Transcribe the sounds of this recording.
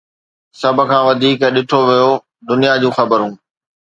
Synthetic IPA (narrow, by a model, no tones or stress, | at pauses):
sɐb̆ʱkʰãːʋɐd̪ʱiːkɗɪʈʰoʋijo | d̪ʊnijad͡ʑũːxɐbəɾɦũː